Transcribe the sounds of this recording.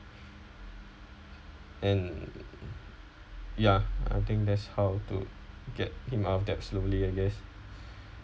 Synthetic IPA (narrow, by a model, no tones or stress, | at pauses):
ɛ̃n | jaa̰jt̪ɪ̃ŋk̚d̪ɛtshawtṵɡɛt̚hĩmɔfdɛpsloliaɡɛs